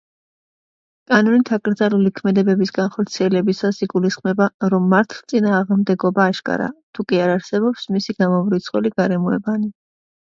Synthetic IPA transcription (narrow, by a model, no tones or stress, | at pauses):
kʼanɔnit̪ʰakʼɾd̪zalulikʰmɛd̪ɛbɛbisɡanχɔɾt̪sʰiɛlɛbisasiɡulisχmɛbaɾɔmːaɾt̪ʰˠt̪sʼinaːʁmd̪ɛɡɔbaːʃkʼa̰ɾa̰t̪ʰukʼiaɾaɾsɛbɔpsmisiɡamɔmɾit̪sʰχʼɛliɡaɾɛmuɛbani